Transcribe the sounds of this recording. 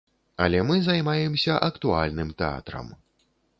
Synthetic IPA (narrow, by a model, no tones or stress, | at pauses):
ɐ̰lʲɛmɨzajmajɛmsʲɐʔɐkt̪ualʲnɨmt̪ɛa̰t̪ɾɐ̰m